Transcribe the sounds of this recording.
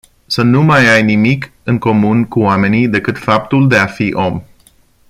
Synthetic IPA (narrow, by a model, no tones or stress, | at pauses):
sənumajajnimikɨŋko̞munkuoame̞nid̪e̞kɨt̪fap̚t̪uld̪e̞afiʔo̞m